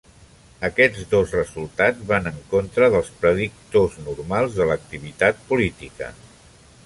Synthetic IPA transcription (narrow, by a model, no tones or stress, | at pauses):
əkɛd͡zd̪ozrəzulˠt̪ad͡zβanəŋkont̪ɾəðəlˠspɾəðik̚t̪oznurmalˠzðələk̚t̪iβ̞it̪at̪̚pulit̪ikə̰